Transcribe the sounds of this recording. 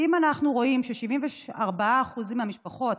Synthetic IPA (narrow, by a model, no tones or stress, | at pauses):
imanaχnuʁo̞imʃeʃivimveaʁbaaːχuzmiamiʃpaχo̞t̪